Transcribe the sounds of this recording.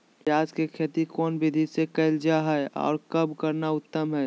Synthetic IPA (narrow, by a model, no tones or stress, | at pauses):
pjaːd͡ʒkekʰeːt̪ikɔːnbɪd̪ʱisekɛɪld͡ʒaɦəɔ̰ːɾkəbʱkəɾnaʊt̪ːəmɦɛː